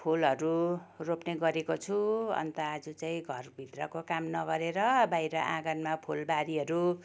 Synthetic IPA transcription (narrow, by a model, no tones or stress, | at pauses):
pʰulɦʌɾuropneɡʌɾekot͡sʰuʌ̰nt̪ʌad͡zut͡saĩɡʱʌrbʱit̪rʌkokamnʌɡʌɾeɾʌbajɾʌʔãɡʌnmapʰulbaɾiɦʌɾu